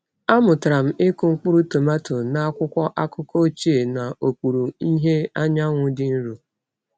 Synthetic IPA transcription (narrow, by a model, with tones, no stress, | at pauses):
a˦mʊ˨tɾa˨m̩˦ɪ˦kʊ˨ŋ͡m̩˦k͡pʊ˦ɾu˦to˨ma˦tʊ˨na˦a˦kʷʊ˦kʷɔ˦ʔa˦kʊ˦ko˦t͡ʃi˦e˨na˨o˨kʷu˨ɾu˨i˦ɦe˦a˦ɲa˦ŋʷʊ˦dɪ˦n̩˦ɾu˨